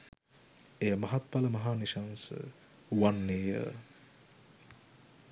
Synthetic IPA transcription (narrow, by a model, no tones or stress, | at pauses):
ejəmɐɦat̪̚paləmɐɦaːniʃansə̰ | uʋanːeːjə̰